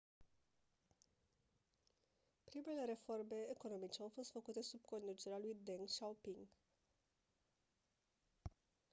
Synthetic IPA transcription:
pɾime̞le̞ɾe̞fo̞rme̞ːko̞no̞mit͡ʃe̞awfo̞st̪fəkut̪e̞sub̚ko̞nd̪ut͡ʃe̞ɾealujd̪eŋʃawpiŋɡ

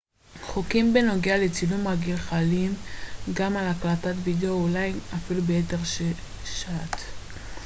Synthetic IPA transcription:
χokimbeno̞ɡealet͡silumaɡilχalimɡamalaklatatvideoulajafilubeeteʁ | ʃat̪

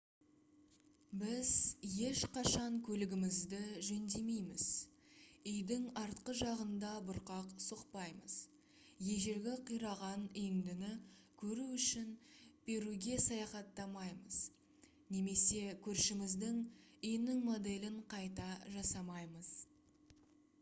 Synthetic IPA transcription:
bɪzje̞ʃqɑʃɑŋkʲʰɵlɪɡʲɪmɪzd̪ɪʒɵnd̪e̞mejmɪz̥ | ʏjd̪ɪŋɑɾt̪qəʒɑʁənd̪ɑbʊɾqɑqsoqpɑjməz̥ | je̞ʒe̞ɾɡʲɪqʰijɾɑʁɑnʏjɪnd̪ɪnɪkʲʰɵɾuʏʃɪnb̥e̞ɾuɡʲe̞sɑjɑχɑt̪ːɑmɑjməz̥ | ne̞me̞se̞kʲʰɵɾʃɪmɪzd̪ɪŋʏjɪnɪŋmo̞d̪e̞lɪɴqʰɑjt̪ɑʒɑsɑmɑjməz̥

